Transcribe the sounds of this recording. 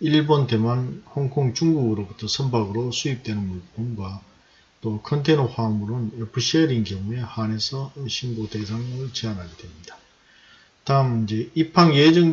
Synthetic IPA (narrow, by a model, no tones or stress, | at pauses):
iɭbonte̞manhʌŋkʰoŋt͡ɕuŋɡuɡɯɾobutʰʌsʰʌmbaɡɯɾosʰuip̚t͈we̞nɯnmuɭp͈̚onɡwa | t͈okʰʌntʰenʌɸwaŋmuɾɯnepʰɯɕʰieɾinkjʌŋue̞hane̞sʰʌɯnɕʰinɡode̞sʰaŋɯɭt͡ɕianɦaɡed̥we̞mɲid̥a | taɯmind͡ʑe̞ipʰaŋjed͡ʑʌŋ